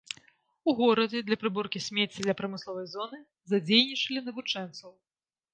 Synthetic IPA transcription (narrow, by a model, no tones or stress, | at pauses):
uɣɔɾɐd͡zʲɛd̪lʲɐpɾɨbɔrkʲisʲmʲet͡sʲid̪lʲɐpɾɐmɨslˠɔvɐjzɔnɨ | zad͡zʲejnʲit͡ʂɐlʲinɐvut͡ʂɛnt̪sɐw